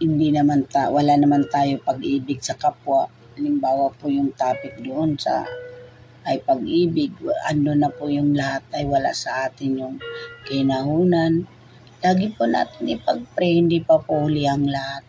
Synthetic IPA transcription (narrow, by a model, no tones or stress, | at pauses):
hɪnd̪inɐmant̪awɐlaʔnɐmant̪aːjopɐɡʔiːbɪɡ̚sɐkapwa | ɐlɪmbaːwapʊjʊŋt̪aːpɪk̪̚d̪oʔonsɐ̰ | ʔɐjpɐɡʔiːbɪɡ̚ʔɐ̰nːonɐpʊjʊŋlɐhat̪̚ʔɐjwɐla̰ʔsɐʔaːt̪ɪnjʊŋkɐɪnɐɦuːnan | laːɡɪpʊna̰ːt̪ɪnʔɪpɐɡ̚pɾɛhɪnd̪ipɐpʊhʊlɪʔɐŋlɐhat̪̚